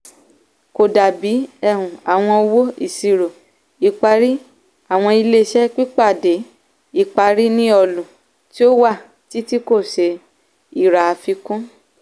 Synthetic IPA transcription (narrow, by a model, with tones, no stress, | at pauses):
ko˨da˨bi˨˦ɛ˦˨hũ˨a˨w̃ɔ̃˧wo˦ḭ˦˨si˧ɾo˨ | i˧k͡pa˧ɾi˦ | a˦˨w̃ɔ̃˧i˧le˧ʃɛ˦k͡pi˦k͡pa˦˨de˨˦ | i˧˨k͡pa˧ɾi˦nĩ˦ɔ˧lũ˨ | ti˦o˦wa˦˨ | ti˨˦ti˦ko˦˨ʃe˧˦ | i˦˨ɾa˨fi˧kũ˦